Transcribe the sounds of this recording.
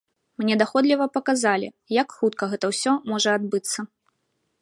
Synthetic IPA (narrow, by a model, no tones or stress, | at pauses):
mnʲɛd̪axɔd̪lʲivɐpɐkazalʲḭ | jakxut̪kɐɣɛt̪ɐwsʲɔmɔʐɐad̪̚bɨt̪sːɐ